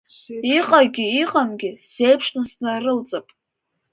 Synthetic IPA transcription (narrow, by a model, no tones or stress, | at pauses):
iqʼaɡʲɪiqʼamɡʲɪsejpʰʂnɨsnarɨlt͡sʼapʼ